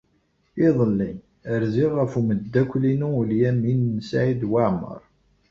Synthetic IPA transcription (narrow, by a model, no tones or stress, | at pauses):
iðˤəlːin | əɾziʁːəfuməd̪ːækʷːlinuljæminːsʕid̪waʕmə̰ɾˤ